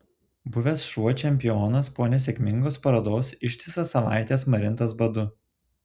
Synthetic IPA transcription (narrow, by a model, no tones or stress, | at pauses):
bʊʋʲeːsʃuɔt͡ʃʲɛmʲpʲɪjoːnɐspoːnʲɛs̬ʲɛkʲmʲɪŋɡoːspɐɾɐd̪oːsɪʃʲt̪ʲɪsɐsɐʋɑ̰ˑɪt̪ʲeːsmɐɾʲɪnˑt̪ɐsbɐd̪ʊ